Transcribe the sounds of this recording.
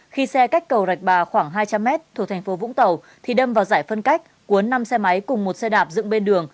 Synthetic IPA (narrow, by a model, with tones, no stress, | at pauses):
xi˧sɛ˧ka˦˥jk̟̚kːə˨˩wza˨˩k̚ɓaː˨˩xwaː˧˩ŋɦaː˧jt͡ɕa˧mːɛ˦˥t̚t̪ʰu˧˩t̪ʰŋ̟fo˨˦vʊ̰˧˥ŋ͡mt̪ə˨˩w | t̪ʰi˨˩ɗə˧mvaː˨˩wzaː˧˩jfə˧nka˦˥k̟̚ | ku˨˦ənːa˧msɛ˧ma˨˦jkʊ˨˩ŋ͡mmo˨˩t̚sɛ˧ɗaː˨˩p̚zɨ̰˧˨ŋɓe˧nɗɨ˨˩əŋ